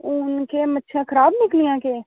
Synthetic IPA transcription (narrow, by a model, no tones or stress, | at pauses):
ʊnkeːmətːʃʰãːkʰəɾaːbnɪklijãːkeː